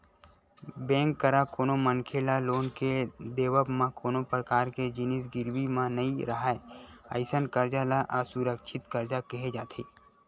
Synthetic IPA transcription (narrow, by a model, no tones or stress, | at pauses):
bẽːŋkːəɾakoːnoməŋkʰeːlaloːnked̪eːwəbmãkoːnopɾəkaːɾked͡ʒɪnɪs̬ɡɪɾwimãnəiɾəɦaeə̰ɪsənkəɾd͡ʒalaʔasuɾəkʃʰɪt̪kəɾd͡ʒakɐɦed͡ʒaːt̪ʰiː